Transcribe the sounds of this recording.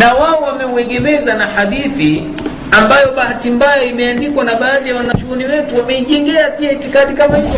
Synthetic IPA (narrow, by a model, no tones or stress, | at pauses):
nawaɔwamɛuɛɠɛmɛzanahaɗiθi | ambajɔɓahatimbajaimɛandikwanaɓaːðijawanat͡ʃuɔniwɛtuwamɛiʄɛŋɡɛapiaitikaɗikamai